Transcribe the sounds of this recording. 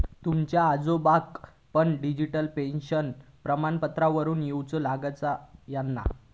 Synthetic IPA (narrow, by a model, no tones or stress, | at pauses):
t̪umt͡ɕjaːd͡zobak | pəɳɖid͡ʑiʈəlpẽnɕənpɾəmanpət̪ɾaʋəɾuːnjewt͡səlaɡat͡sajanːa̰